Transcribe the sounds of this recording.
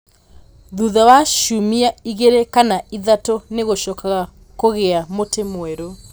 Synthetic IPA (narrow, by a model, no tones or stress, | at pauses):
ðuðawaʃumiaiɣeɾekanaiðatoneɣoʃɔkaɣa | koɣeamotemweɾo